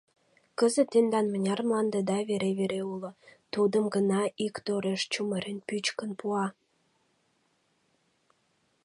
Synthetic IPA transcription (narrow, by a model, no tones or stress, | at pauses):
kəzət̪ːend̪ɑnmənʲɑrmlɑnd̪ed̪ɑβeɾeβeɾeulŏt̪ud̪əmɡənɑʔikt̪oɾeʃt͡ɕuməɾenpyt͡ɕkənpuɑ